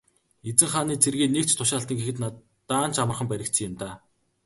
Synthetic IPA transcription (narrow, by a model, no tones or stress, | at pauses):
et͡sɘ̆ŋχaːniːt͡sʰerɣeːneːk̚t͡ɕt̪ʰʊʃaːɬt̪ĭːŋɡexɘ̆t̪na | t̪ːaːn̥t͡ɕamə̆rχə̆mpæɾʲɪ̆kt͡sʰɘ̆jɪ̆mt̪aː